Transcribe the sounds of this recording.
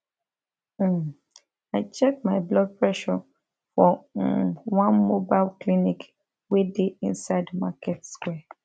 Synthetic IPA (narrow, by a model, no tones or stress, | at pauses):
aɪt͡ʃɛk̚maɪblɔɡ̚pɹɛʃɔ | fɔ | wãnmobaɪlklinik | wedeḭ̃nsaɪdmakʰɛtskwɛ